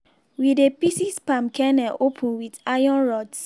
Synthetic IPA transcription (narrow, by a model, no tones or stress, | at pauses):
widepisispãmkʰɛnɛʔopʰũnwidajɔ̃nɹɔds